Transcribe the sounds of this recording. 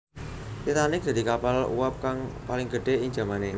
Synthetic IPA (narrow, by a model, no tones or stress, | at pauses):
t̪it̪anɪk̚d̪̥a̤d̪i̤kapalṵwap̚kaŋpalɪŋɡ̥əɖ̥e̤ɪŋd͡ʒa̤mane